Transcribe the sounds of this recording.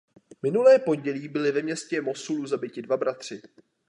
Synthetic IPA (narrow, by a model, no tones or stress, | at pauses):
mɪnulɛːpo̞ɲɟɛliːbɪlɪvɛmɲɛscɛmo̞suluzabɪcɪdvabɾat̪r̝̥ɪ